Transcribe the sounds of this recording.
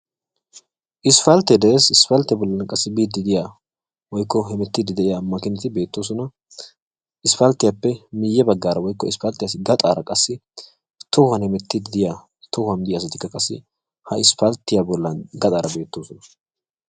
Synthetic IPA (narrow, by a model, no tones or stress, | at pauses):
ʔɪsfɐlt̪ːɛd̪eeːsɪsfɐlt̪ɪjabɔlːɐnkʼɐsːɪbiːd̪ːɪd̪ɪjaː | wɔjkːɔhɛmɛt̪ːɪd̪ɪd̪ɛʔɪjamːɐkɪnt̪ɪbe̞ːt̪ːoːs̬ɔnɐ | ʔɪsfɐlt̪ːɪjɐpːɛmɪjːɛbɐɡːaːɾɐwɔjkːɔɪsfɐlt̪ːɪjasɪɡɐt̪ʼaːɾɐkʼɐsːɪ | t̪ɔhʊhɐnhɛmɛt̪ːɪd̪ɪd̪ɪja | t̪ɔhʊɐnd̪ɪjas̬ɐt̪ɪkːɐkʼɐsːɪ̰ | hɐɪsfɐlt̪ːɪjabɔlːɐnɡɐt̪ʼaːɾʔɐbe̞ːt̪ːoːsɔnɐ